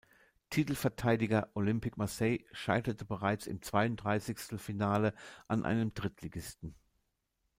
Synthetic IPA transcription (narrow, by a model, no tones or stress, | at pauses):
tʰitl̩fɛɐtʰaɪdɪɡɐʔolʏmpɪkmaɐsɛɪʃa̰ɪtɐtʰəbəʁaɪt͡sɪ̰mt͡sv̥aɪʊntd̥ʁaɪsɪçstn̩finaːləʔanʔa̰ɪnəmd̥ʁɪtʰliɡɪstn̩